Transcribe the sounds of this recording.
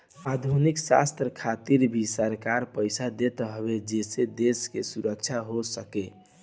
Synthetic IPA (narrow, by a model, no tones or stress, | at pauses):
ad̪ʱuniksa̰st̪ɾəkʰat̪iɾbʱisəɾkaɾpəjsad̪et̪ɦəbed͡ʒesed̪eskesuɾək̚t͡ʃʰaɦosəke